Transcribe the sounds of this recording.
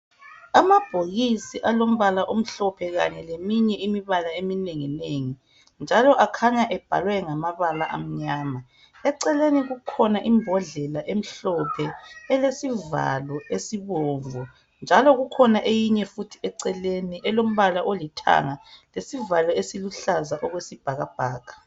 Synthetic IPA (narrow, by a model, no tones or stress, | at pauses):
amab̥ʱoɣisiʔalom̩βalaʔom̩ɬɔpʰɛɣa̰ɲɛlemiɲɛimiβalaemineŋineŋi | nd͡ʒʱalɔʔakʰaɲaʔɛb̥ʱa̰lwɛŋamaβalaʔa̰m̩ɲaːma | ɛǀɛleniɣukʰɔnaʔimbʱɔɮɛlaʔem̩ɬɔpʰɛɛlesiva̰lɔesiβɔːvɔ | nd͡ʒʱalɔɣukʰɔnaʔejiɲɛfutʰiɛǀɛleniʔɛlom̩βalaʔolitʰa̰ŋalesivalɔesiluɬazaʔɔɣwesib̥ʱaɣab̥ʱaːɣḁ